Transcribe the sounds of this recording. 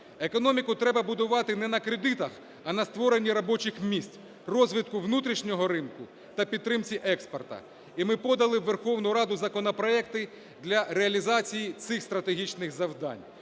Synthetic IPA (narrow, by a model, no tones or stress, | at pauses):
ekɔnɔmʲikʊt̪ɾɛbɐbʊd̪ʊʋɑt̪ɪnɛnɐkɾed̪ɪt̪ɐx | ɐnɐst̪ʋɔɾenʲːiɾɔbɔt͡ʃɪxmʲisʲtʲ | rɔzʲʋʲɪt̪̚kʊʋnut̪ɾʲiʃnʲɔɦɔɾɪnkʊ | t̪ɐpʲid̪ɾɪmt͡sʲiʔɛkspɔrt̪ɐ̰ | imɪpɔd̪ɐlˠɪʋːerxɔwnʊɾɑd̪ʊzɐkɔnɔpɾɔɛkt̪ɪ | d̪lʲɐɾeɐlʲizɑt͡sʲijit̪sɪxst̪ɾɐt̪eɦʲit͡ʃnɪɣzɐwd̪ɑ̰nʲ